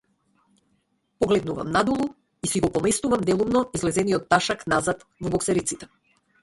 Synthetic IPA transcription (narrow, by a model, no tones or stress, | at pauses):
pɔɡlɛd̪nuva̰mnad̪ulˠu | isiɡɔpɔmɛst̪uvamd̪ɛlˠumnɔizlɛzɛniɔt̪ːaʃaknazat̪vɔbɔksɛɾit̪sit̪ɛ̥